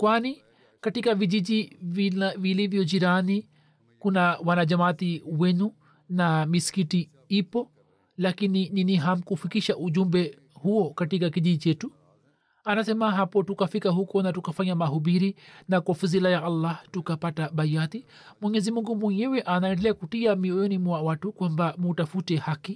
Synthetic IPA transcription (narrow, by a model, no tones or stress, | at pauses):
kwani | katikavid͡ʒid͡ʒivvilivjɔd͡ʒiɾani | kunawanad͡ʒamat̪iwɛnu | namiskiti | ipɔ | lakinininiɦam̩kufikiʃaʔud͡ʒumbɛ | huɔkatikakid͡ʒid͡ʒit͡ʃɛtu | anasɛmaɦapɔtukafikahukɔnatukafaɲamaɦuɓiɾinakwafuzilajaʔalːahtukapataɓajati | mwɛɲɛzimuŋɡumwɛɲɛwɛʔanaɛndɛlɛakutiamiɔjɔnimwawatukwambamutafutɛhaki